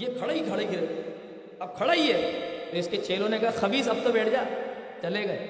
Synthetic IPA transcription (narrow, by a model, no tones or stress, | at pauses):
jekʰɐɽaikʰɐɽeikʰɪɾeːt̪ː | ɐb̚kʰɐɽaɦiɦɛt̪oɪsket͡ʃʰeːlõnekɐɦaxɐbiːsɐb̚t̪obɛːʈʰd͡ʒaːt͡ʃɐleːɡɐ